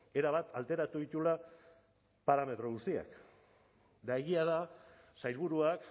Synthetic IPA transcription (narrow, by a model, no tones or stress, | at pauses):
e̞ɾaβat̪alt̪e̞ɾat̪uðit̪ula | paɾame̞t̪ɾo̞ɣ̞ust̪ia̰k | d̪aeɣiaða | sajlβuɾuak